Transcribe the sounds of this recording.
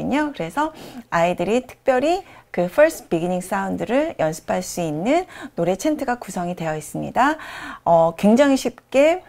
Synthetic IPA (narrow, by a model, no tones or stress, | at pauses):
ɯɲokɯɾe̞sʰʌaidɯɾitʰɯ̥k̚p͈jʌɾikɯpʰʌɭsʰɯ̥piɡiɲiŋs͈aundɯɾɯɭjʌnsʰɯ̥pʰaɭs͈uinːɯnːoɾe̞t͡ɕʰe̞ntʰɯɡakusʰʌŋidwe̞jʌis͈ɯmɲḭdaʌkwe̞ŋd͡ʑaŋiɕʰip̚k͈e̞